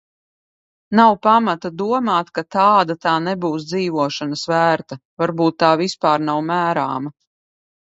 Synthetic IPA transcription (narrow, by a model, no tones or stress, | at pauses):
nawpamat̪ad̪uɔmaːt̪kat̪aːd̪at̪aːnɛbuːsd̪ziːvuɔʃanəsvæːɾt̪avaɾbuːt̪ːaːvispaːɾnawmæːɾa̰ːma